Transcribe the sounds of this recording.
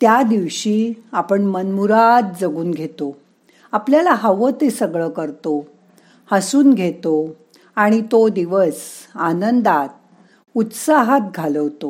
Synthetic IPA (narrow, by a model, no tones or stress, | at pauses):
t̪jad̪iʋɕiːapəɳmənmuɾat̪̚d͡zəɡuːnɡʱet̪o | apljalaɦəʋət̪esəɡɭəkəɾt̪o | həsuːnɡʱet̪o | aɽ̃it̪od̪iʋəsanənd̪at̪̚ | ut̪saɦat̪̚ɡʱaləʋt̪o